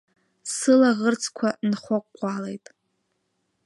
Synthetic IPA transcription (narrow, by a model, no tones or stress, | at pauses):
sɨlaʁərt͡sʰʼkʷʰanχʷakʼʷːalejtʼ